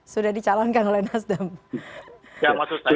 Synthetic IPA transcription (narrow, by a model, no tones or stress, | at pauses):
sudahdit͡ʃalankanolɛhnasdam | jamasusa